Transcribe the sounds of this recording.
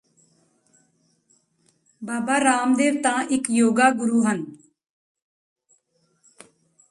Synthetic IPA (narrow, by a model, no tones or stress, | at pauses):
baːbaːɾaːmd̪eːʋt̪ãːʔɪkjoːɡaːɡʊɾuːɦən